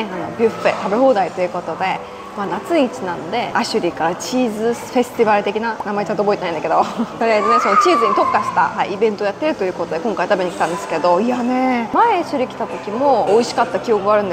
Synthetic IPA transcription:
ano̞bʲɯɸpḛt̪abe̞ho̞ːd̪ait̪o̞jɯ̟ko̞t̪o̞d̪e̞ | maːnat͡sɨɲit͡ɕinãnod̪e̞aɕɨɾʲikaɾat͡ɕiːzɨɸe̞sɨ̥t̪ʲibaɾɯ̟t̪e̞kʲinanamaet͡ɕant̪oboit̪enaĩnd̪ake̞d̪o̞soɾʲaznesono̞t͡ɕiːzɨɲ̟it̪o̞kːaɕi̥t̪a̰haḭibẽ̞nt̪ojat̪ːe̞ɾɯ̟t̪ojɯ̟ko̞t̪o̞d̪e̞kõ̞ŋkait̪abe̞ɲ̟ikʲi̥t̪ãnd̪e̞sɨ̥ke̞d̪o̞ianemaeɕɨɾʲikʲi̥t̪at̪o̞kʲimo̞ːiɕi̥kat̪ːakʲio̞kɯɡaɾɯ̟n

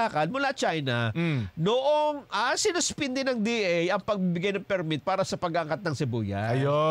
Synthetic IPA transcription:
akɐnmʊlat͡ʃajnɐnoʔoŋʔasɪnʊspɪnd̪ɪnɐŋd̪iʔɛjɐŋpɐɡ̚bibɪɡajnɐŋpɛɾmit̪̚paːɾɐsɐpɐɡaʔɐŋkat̪̚nɐŋsɛbṵːjɐ̰o

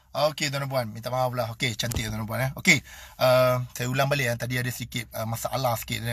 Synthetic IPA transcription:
oked̪ɔnãmp̬uanmint̪amaflaɦoket͡ʃant̪iʔd̪ɔnãmpuanaokeʔəsajaulaŋbaliʔat̪adiadəsədikɪt̪̚əmasaʔalasə̥kɪ̰t̪nə

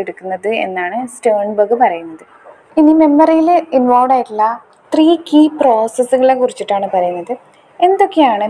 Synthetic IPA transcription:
eɽukːunːɐðɨe̞̰nːaːɳɨstoːɳbɐɣɨpɐrɐjunːɐðɨ | inime̞mːɐrijilinʋoːʋɖaːjiʈːilːɐ | t̪riːkiːpro̞ːsesːuɣɐɭekurit͡ɕːiʈːaːɳɨpɐɾɐjunːɐðɨ | e̞nd̪o̞kːejaːɳɨ

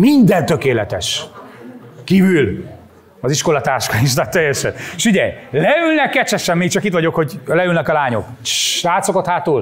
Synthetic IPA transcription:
mind̪ɛnt̪økeːlɛt̪ɛʃ | kiːvyl | ɒziʃko̞lɒt̪aːrʃkɒiʃ̬t̪at̪ːɛjːɛʃɛnʃiɟɛjlɛylnɛkːɛt͡ʃɛʃɛmːiːk̚t͡ʃɒkiːt̪ʋɒɟo̞kho̞ɟlɛylnɛkɒlaːɲo̞̰k | ʃaːt̪so̞kot̪haːt̪uːl

